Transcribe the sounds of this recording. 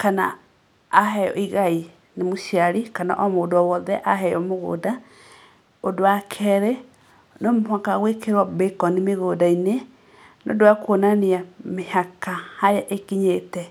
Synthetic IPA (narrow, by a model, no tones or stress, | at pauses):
kana̰ː | ɦɛjɔ̰ʔiɣai | nemoʃiaɾikana̰ʔɔmoːdɔwɔðɛʔaɦɛjɔmoɣo̰ːda | odoakʰɛɾɛ | nomwakaɣwekeɾwabekɔnimeɣodaine | no̰doakwonaniamehakahajaʔekiɲetɛ